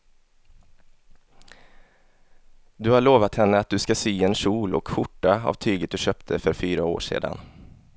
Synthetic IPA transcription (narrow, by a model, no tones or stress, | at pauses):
d̪ɵhaɭoːvat̪hɛnːəat̪̚d̪ɵskasyːɛnʂuːlɔ̰kɧʊʈːaa̰vt̪ʰyːɡət̪̚d̪ɵɕœːp̚t̪ʰəfœɾfyːɾao̰ːʂḛːd̪a̰n